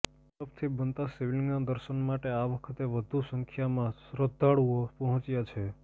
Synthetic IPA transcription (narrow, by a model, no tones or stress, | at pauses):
əpʰt̪ʰibənt̪asiʋiliŋɡnad̪əɾʃənmaʈeaʋəkʰət̪eʋəd̪ʱusə̃ŋkʰjamãsɾəd̪ʱaɭuopəɦɔ̃t͡ʃjat͡ʃʰe